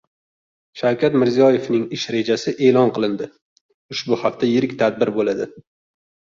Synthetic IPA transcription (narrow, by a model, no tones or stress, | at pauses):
ʃawkʲʰat̪mɪɾzijɒje̞vnɪŋɪʃɾe̞d͡ʒasɪʔe̞ːlɒnqɨlˠɪnd̪ɪ | ʊʃbʊhaft̪ʰajɪɾɪkʲt̪ʰad̪̚bɪɾbolad̪ɪ